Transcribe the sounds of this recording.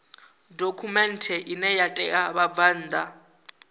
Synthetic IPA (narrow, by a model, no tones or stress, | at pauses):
dokʰumɛntʰɛʔinɛjatʼɛʔaβavaːnd̪ʱa